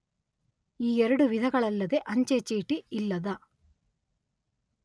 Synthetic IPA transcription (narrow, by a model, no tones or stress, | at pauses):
iːeɾɐɽuʋid̪ʱɐɡɐɭɐlːɐd̪eʔɐɲt͡ʃet͡ʃiːʈiilːɐd̪ɐ